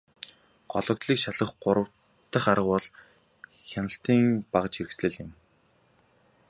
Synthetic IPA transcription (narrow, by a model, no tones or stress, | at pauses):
ɢ̥ɔɮɞ̆k̚t̪ɮiːkʃaɮə̆χɢʊɾə̆w̥ | t̪ːə̆χaɾə̆qwɔɮ | xʲanə̆ɬt̪iːŋpaʁə̆t͡ɕeɾɘ̆ksɮɘ̆ɮɪ̆m